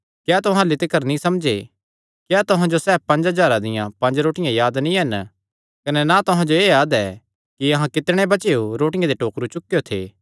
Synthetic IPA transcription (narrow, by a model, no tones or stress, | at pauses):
kjaːt̪ʊɦãlɪt̪ɪkəɾnĩsɐmd͡ʒe | kjaːt̪ʊɦãd͡ʒosɛːb̚pɐ̃nd͡ʒɦɐd͡ʒaːɾad̪ɪjã̰pɐ̃nd͡ʒɾoːʈɪjãjaːd̪nĩɦɐn | kɐnɛnat̪ʊɦãd͡ʒoeːjaːd̪ɛ | kiɐɦãkɪt̪ɽ̃ebɐt͡ʃeoɾoːʈɪjãd̪eʈoːkɾut͡ʃʊkːjot̪ʰḛː